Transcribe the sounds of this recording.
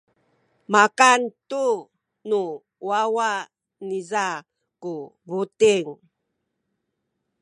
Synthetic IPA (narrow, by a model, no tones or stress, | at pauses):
makantu | nu | wawa | niza | kuβutiŋ